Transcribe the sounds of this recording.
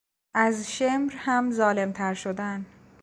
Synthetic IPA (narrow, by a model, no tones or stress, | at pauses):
ʔæzʃemɾhæmzɒːle̞mt̪ʰæɾʃod̪æn